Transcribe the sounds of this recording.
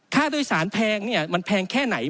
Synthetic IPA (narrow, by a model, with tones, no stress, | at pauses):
k̪ʰaː˥˩doː˧˥˧jsaː˩˦npʰɛː˧ŋni˥˩ɐma˧npʰɛː˧ŋkʰɛː˥˩na˩˦j